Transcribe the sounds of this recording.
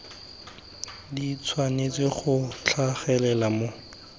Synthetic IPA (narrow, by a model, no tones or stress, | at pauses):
dit͡sʰwanet͡sɪχʊt͡ɬʰaχɛlɛlamo